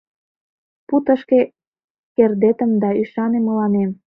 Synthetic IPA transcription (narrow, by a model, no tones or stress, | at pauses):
put̪ə̆ʃke | kerd̪et̪ə̆md̪ɑyʃɑnemə̆lɑnem